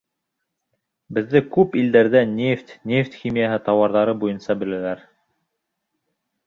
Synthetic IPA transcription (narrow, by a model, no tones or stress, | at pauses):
bɘ̆ðːɘkʉpild̪æɾðænʲeft̪ʲnʲeft̪ʲxʲimʲijaɦɘt̪ɑwɑɾðɑɾɤbujɤnsɑbɘ̆lælæɾ